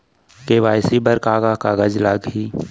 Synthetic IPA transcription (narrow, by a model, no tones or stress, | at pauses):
keʋaːɪsibəɾkaːɡakaːɡəd͡ʒlaɡɦiː